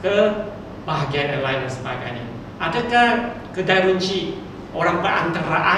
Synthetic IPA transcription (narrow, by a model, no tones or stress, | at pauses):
kə | baɦɡianəlajndansəbaɡa̰jɲa | adaka | kədaɾuɲt͡ʃiʔ | ʔoɾaŋpəʔa̰nt̪əɾaʔa